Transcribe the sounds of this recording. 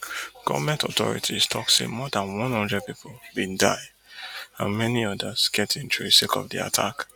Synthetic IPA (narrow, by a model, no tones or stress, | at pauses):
ɡ̥ɔ̰vmɛ̃ntɔtɔ̰ɹḭtʰistʰɔksḛmɔdãnwɔ̃nɔ̃ndɛpipʰolbĩndaɪ | ã̰nmɛniɔdasɡ̥ɛtĩntuesekɔ̰vdḭa̰tʰa̰k